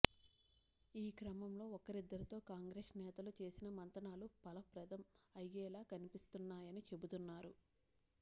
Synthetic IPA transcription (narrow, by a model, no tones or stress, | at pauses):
iːkɾɐmɐmlo̞ːɔkɐɾid̪ːɐɾit̪o̞ːkaːŋɡɾeːsnɛːt̪ɐlut͡ʃe̞ːsinɐmɐnt̪ɐnaːlupɐlɐpɾɐd̪ɐmɐjːɛːlaːkɐnipist̪unːaːjɐnit͡ʃe̞but̪unːaːɾu